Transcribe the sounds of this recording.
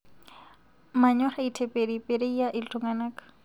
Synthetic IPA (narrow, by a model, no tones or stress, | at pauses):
maɲɔχaitʰepeɾipʼeɾeijaʔɪlt͡ɬʼʊŋɡanaːkḁ